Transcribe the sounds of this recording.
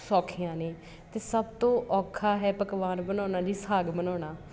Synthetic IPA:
sɔːkʰijãːneː | t̪eːsəbt̪õːʔɔːkʰːaːɦɛːpəkʋaːnbənɔːnaːd͡ʒiːsaːɡbənɔːnaː

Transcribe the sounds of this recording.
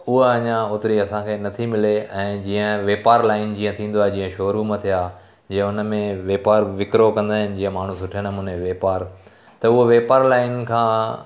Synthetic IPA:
ʊɦɐɲãʊːt̪ɪɾiɐsãkʰeːnɐt̪ʰimɪleɛ̃ːd͡ʑiːə̃ʋeːpaːɾlaːɪnd͡ʑiːə̃t̪ʰĩːn̆d̪oaːɦed͡ʑĩːə̃ʃoːɾumɐ̃t̪ʰijaː | d͡ʑiːɦə̃ʊnə̆mẽʋeːpaːɾʋɪkɾokɐ̃nd̪aːɦɪnɪ̆d͡ʑiːə̃maːɳ̤ũsʊʈʰənəmʊ̃neʋeːpaːɾ | t̪ɐʊɦoʋeːpaːɾlaːɪnkʰãː

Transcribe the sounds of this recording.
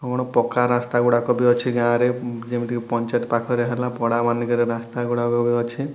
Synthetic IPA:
ɔɡɔɽ̃ɔpɔkaɾast̪aɡuɽakɔbiɔt͡ʃʰiɡãɾed͡ʒemiʈ̪ikipɔnt͡ʃat̪pakʰɔɾeɦelapɔɽamanikɔɾeɾast̪aɡuɽakɔbiɔt͡ʃʰi

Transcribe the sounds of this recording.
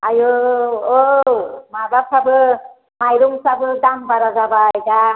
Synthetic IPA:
ajoomabasabɯ | majɾuŋsabɯd̪aŋbaɾazabajɡa

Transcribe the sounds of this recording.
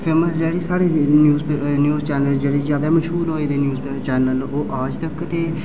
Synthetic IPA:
pʰeːməsd͡ʒeːɽeːsaːɽeːnjuːznjuːzt͡ʃɛːnəld͡ʒeːɽeːzjaːd̪aːməʃɦuːlɦoːeːd̪eːnjuːz | t͡ʃɛːnəloːʔaːd͡ʒt̪əkt̪eː

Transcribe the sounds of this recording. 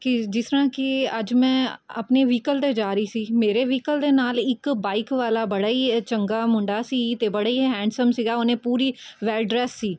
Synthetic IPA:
kid͡ʒɪsɾãːkiəd͡ʒmɛ̃ːə̰pneʋiːkəlt̪ed͡ʒaːɾisiːmeːɾeʋiːkəld̪eːnaːlɪkbaːɪkʋaːlabəɽaːiːt͡ʃəŋɡaːmʊ̃ɳɖasit̪eːbəɽaiɦɛ̃ːɳɖsəmsiɡaːonẽpuːɾiʋɛːlɖɾɛːsːiː

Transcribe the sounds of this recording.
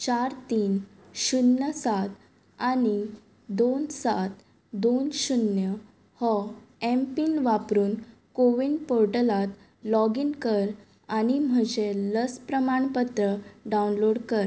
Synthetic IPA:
t͡ɕaɾt̪iːn | ɕunjəsat̪ | ani | d̪onsat̪ | d̪onɕunjə | hɔɛmpinʋapɾuːnkoʋinpoɾʈəlat̪ | lɔɡinkəɾ | aɽ̃im̤əd͡ʑeləspɾəmaɳpət̪ɾəɖaunloɽkəɾ

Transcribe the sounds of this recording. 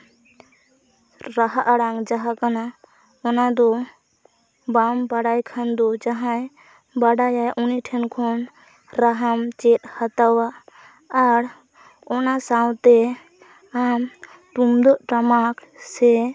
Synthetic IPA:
ɾaɦaʔaɽaŋd͡ʒaɦakana | ɔnad̪ɔ | bambaɽajkʰand̪ɔd͡ʒaɦãj | baɽajajʔɔniʈʰɛnkʰɔn | ɾaɦamt͡ʃɛt̪̚hat̪awaː | ɾ | ɔnasawt̪ɛ | am | t̪umd̪ɔʔʈamaksɛ

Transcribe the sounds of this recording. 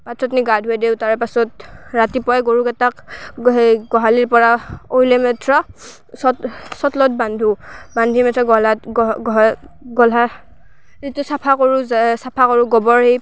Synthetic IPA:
patʰɹɔtniɡadʱuɛdeʊtaɹɛpasɔtɹatipɔjɛɡoɹukɛtakɦeɡɔɦaliɹpɔɹaojlɛmɛtʰɹɔ | sɔsɔtlɔtbandʱubandʱimɛtʰɹɔɡɔlaɡɔɦ | ɡɔla | ɹitʊsapʰakoɹuzsapʰakɔɹuɡɔbɔɹhej

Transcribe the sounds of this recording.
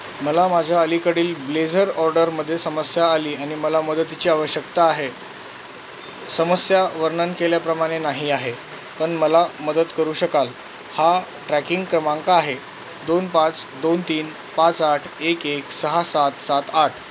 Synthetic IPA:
məlamad͡ʑʱjaəlikəɽiːlbled͡zəɾɔɾɖəɾməd̪ʱːjesəməsjaːliːaɽ̃iməlaməd̪ət̪it͡ɕiːaʋəɕjəkt̪aːɦe | səməsjaʋəɾnənkeljapɾəmaɽ̃enaɦiaɦe | pəɳməlaməd̪ət̪kəɾuːɕəkal | ha | ʈɾækiŋɡkɾəmãŋkaːɦe | d̪onpãt͡sd̪ont̪iːn | pat͡saʈʰekeksəɦasat̪sat̪aʈʰ

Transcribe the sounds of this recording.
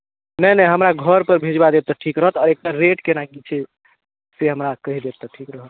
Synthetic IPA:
nəjnəjɦəmɾaɡʱəɾpəɾbʱed͡ʒbad̪et̪̚t̪ɔʈʰikɾəɦət̪ɔːɾek̚ʈaɾeʈkenaɡit͡ʃʰɛ | seɦəmɾakəɦid̪et̪̚t̪ɔʈʰikɾəɦət̪̚

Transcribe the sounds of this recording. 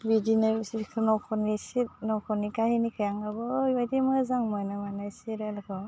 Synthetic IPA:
bidinaɾsikʰɯnɔkʰɔnisitnɔkʰɔnikahinikʰɯjaŋabɔbajtimɔzaŋmɔjnamanasiɾelkʰɔ

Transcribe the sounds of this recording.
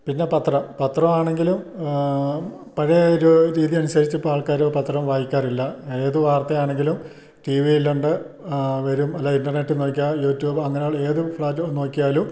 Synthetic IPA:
pinːe̞pɐt̪rɐmpɐt̪rɐmaːɳe̞ŋɡilum | pɐɻɐoɾuɾiːðijɐmɐnusɐɾit͡ɕːɨpːaːɭkaːɾopɐt̪rɐmʋaːjikʲːaːrilːɐeːðɨʋaːrt̪ːɐjaːɳe̞ŋɡilum | ʈiʋijilːuɳɖɨ | ʋɐɾumɐlːɐinɖɐrne̞tːɨno̞ːk̬ʲːajuːtːjuːbɐŋːɐnejaːɭe̞ːðɨfɭaːtːno̞ːkʲːijaːlum

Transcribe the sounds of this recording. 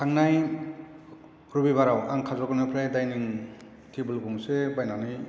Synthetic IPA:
tʰaŋnaj | ɾubiβaɾawaŋkʰazɔɡɔnɯpʰɾajdajniŋ | tʰibɯlɡumsebajnanij

